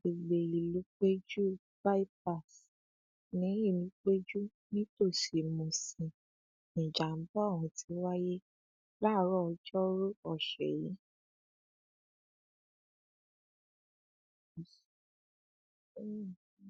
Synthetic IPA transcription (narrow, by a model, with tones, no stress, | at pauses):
be˨ɡ͡be˨i˨lu˨˦k͡pe˦d͡ʒu˦ | ba˦i˦p̚a˦˨s | nĩ˨˦ji˦˨nĩ˨˦k͡pe˦d͡ʒu˦ | nĩ˦to˦˨ʃi˨mõ˨sĩ˨ | nĩ˨d͡ʒa˨m̩˦bɔ˦˨wɔ̃˧˨tʰi˨˧˦wa˦je˦ | la˦˨˦ɾɔ˦ɔ˧d͡ʒɔ˦ɾo˦ɔ˦˨ʃɛ˨ji˨˦˨